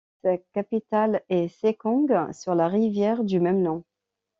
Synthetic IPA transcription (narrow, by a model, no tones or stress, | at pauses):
sakapit̪alɛsekɔ̃ɡsyʁlaʁivjɛʁd̪ymɛmnɔ̃